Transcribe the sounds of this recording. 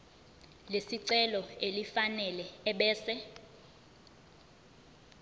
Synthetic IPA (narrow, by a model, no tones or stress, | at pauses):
lesiǀɛlɔelifanɛlɛːɓɛːsɛ